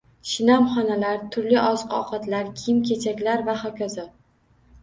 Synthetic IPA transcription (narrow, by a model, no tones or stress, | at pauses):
ʃɪnamχɒnalaɾt̪ʰʊɾlɪʔɒzqɒ̰qʰɑt̪laɾkʲʰijɪmkʲʰe̞t͡ʃʰakʲlaɾvahɒkʲʰaza